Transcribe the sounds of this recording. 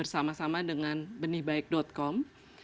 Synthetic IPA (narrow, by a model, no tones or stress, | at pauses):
ərsamasamadəŋanbənɪhbaɪk̚dɔt̪̚kɔm